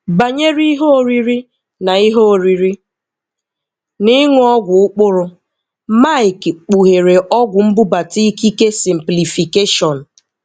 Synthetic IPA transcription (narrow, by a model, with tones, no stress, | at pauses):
ba˨ɲe˦ɾi˦ɦo˦o˨ɾi˨ɾi˦ | na˨i˦ɦo˦o˨ɾi˨ɾi˦ | ni˦ŋ˦ɔ˦ɡʷʊ˨ʊ˦k͡pʊ˦ɾʊ˦ | ma˦ɪ˨kk͡pu˨ɦe˨ɾe˨ʔɔ˦ɡʷʊ˨m̩˦bʊ˦ba˨ti˦i˦ki˦ke˦si˨m̩˨pli˨fi˨ke˦ʃɔ˨n̩˨